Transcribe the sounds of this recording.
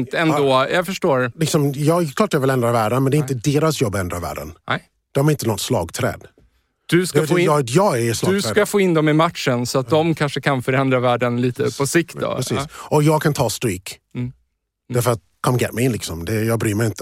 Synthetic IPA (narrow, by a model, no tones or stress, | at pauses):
nt̪ɛnd̪oːjɑfœʂʈoːɾlɪksɔmjɑːklɑːʈ̚ːjɑvɪlɛnd̪ɾavæːɖənmɛnd̪ɛɪnt̪əd̪eːɾasjɔbːɛnd̪ɾavæ̰ːɖə̰n | d̪̥ɔmæɾɪnt̪ənɔt̪slɑ̰ːɡt̪ʰɾɛ̰ːd̪ | d̪̥ɵskafjɑːɡɛslɵkafoːɪnd̪ɔmɪmat̪ʂənsɔat̪̚d̪ɔmkʰanʂəkʰanfœɾɛnd̪ɾavæːɖənliːt̪əpʰɔsɪkt̪d̪ɔ̰pɾɛsiːsʔɔjɑːɡkʰant̪ʰɑːst̪ɾiːkː | æɾfœɾat̪ | kʰɔmɡɛ̰ːɾmɛjɪnlɪksɔmd̪ɛjɑːɡbɾyːɾmɛjɪnt̪ə̥